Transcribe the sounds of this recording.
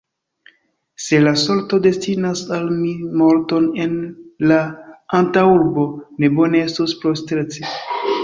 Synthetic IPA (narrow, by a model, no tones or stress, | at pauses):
se̞laso̞lto̞de̞stinasalmimo̞ɾto̞ne̞nlaantauɾbo̞ne̞bo̞ne̞estuspɾostɾet͡si